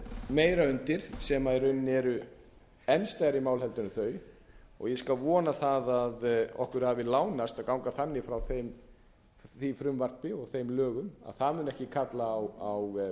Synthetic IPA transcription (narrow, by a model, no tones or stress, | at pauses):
meːjɾaʏnt̪ɪɾ̥sɛmaɛɾʏnːɛɾʏ | ɛnst̪ajɾimaːwlhɛlt̪ʏnʏθœːɥ | ɔ̰ɣjɛskalvɔːnaθaðaðɔ̰hkʏɾ̥havɪlaːwnast̪aðkawŋkaθanːɪfɾawθejm | θifɾʏmvar̥pɪɔɣθejmlœːɣʏma̰ðθaðmʏnɛhcɪkʰat̪laːwaw